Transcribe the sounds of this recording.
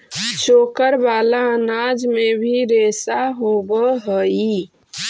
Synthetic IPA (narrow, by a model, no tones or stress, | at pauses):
t͡ʃʰokəɾbalaənad͡ʒmebʱiɾesaɦobəɦəi